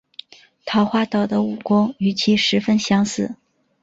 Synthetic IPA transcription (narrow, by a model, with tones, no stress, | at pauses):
t̪ʰɑ˧˥ʊxwa˥˧t̪ɑ˥˩ʊd̪ə˦u˥˩kwʊ˥ŋy˧˥t͡ɕʰi˧˥ʂɻ̩˧˥fə˥nɕjɑ˥ŋsɹ̩˥˩